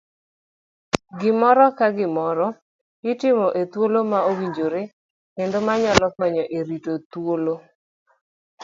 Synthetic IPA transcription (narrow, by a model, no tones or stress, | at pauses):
ɡɪmɔɾɔkaɡɪmɔɾɔ | ɪtɪmɔʔet̪wolomaowiɲd͡ʒoɾe | kend̪omaɲɔlɔkɔɲɔʔeɾitot̪wolo